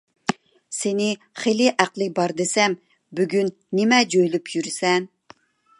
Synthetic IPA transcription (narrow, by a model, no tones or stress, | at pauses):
senɪ | χelɪʔæqlˠɨbɑɾd̪ɨsɛm | byɡʲyn | nɪmɛd͡ʒojlˠupʰjyɾɪsɛn